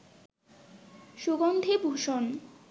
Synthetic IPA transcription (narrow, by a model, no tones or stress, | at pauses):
ʃuɡɔnd̪ʱebʱoʃon